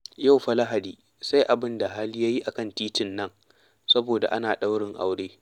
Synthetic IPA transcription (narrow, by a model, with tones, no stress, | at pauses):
ja˦˨wɸɐ˦la˦ɦa˨diː˨ | sa˦jʔa˨bɪ˦nda˨ɦa˦lja˦ji˦ʔa˨kɐ˦ntiː˦tɪ˨nːɐ˦ŋ | sɐ˦boː˨da̰˨ʔa˦naː˨ɗa˦wɽɪ˨ŋʔa̰˨˦wɽeː˦